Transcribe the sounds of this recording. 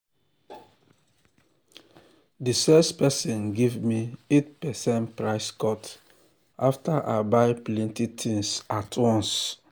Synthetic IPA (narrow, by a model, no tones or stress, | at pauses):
difɛstpɛsĩnɡevmietpɛsɛ̃ntpɹaɪskɔt | aftaʔa̰baɪplɛ̃ntitʰĩŋsatʰwɔ̃ns